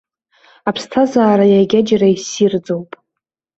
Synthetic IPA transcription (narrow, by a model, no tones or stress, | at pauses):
apʰstʰazaːɾajaɡʲad͡ʒaraisird͡zowpʼ